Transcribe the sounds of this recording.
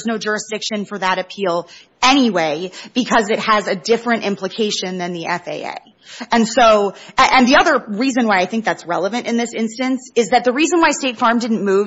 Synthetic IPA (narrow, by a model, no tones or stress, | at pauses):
znoʊd͡ʒʊɹɨsd̥ɪkʃɨ̃nfə˞ðəɾɨpʰilˠ | ɛñiweɪb̥ɨkʰʌzɨt̚hɨzɨdɪfɹɨ̃ntɪ̃mpʰləkʰeɪʃɨ̃nðɨ̃nðiʔɛfḛɪḛɪ | ɨ̃nsoʊɨʔɨ̃nðiʌðə˞ɹizɨ̃nwaɪaɪθɪ̃ŋk̚ðætsɹɛ̰lˠəvɨ̃ñtɨ̃nðɪsɪ̃nstɨ̃nsɨzðɨt̪̚ðɨɹizə̃nwaɪsteɪtfɑɹmdɪdⁿn̩muv